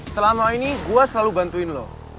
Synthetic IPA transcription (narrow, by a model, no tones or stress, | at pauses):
səlamainiɡuasəlalubant̪uinlɔ